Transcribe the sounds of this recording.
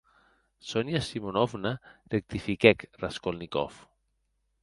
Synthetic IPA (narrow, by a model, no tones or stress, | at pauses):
sonjasimonɔvnarek̚t̪ifikɛkraskolnikɔ̰f